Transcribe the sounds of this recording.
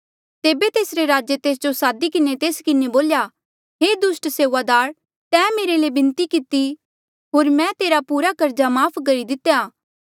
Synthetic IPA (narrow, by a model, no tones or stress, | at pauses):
t̪eːbet̪eːsɾeɾaːd͡ʒet̪eːs̬d͡ʒosaːd̪ikɪnet̪eːskɪneboːlja | ɦeːd̪ʊsʈseːʋad̪aːɾ | t̪ɛ̃ːmeːɾelebɪ̃nt̪ikɪt̪i | ɦoːɾmɛ̃t̪eːɾapuːɾakɐɾd͡ʒamaːpʰkɐɾid̪ɪt̪ːjaː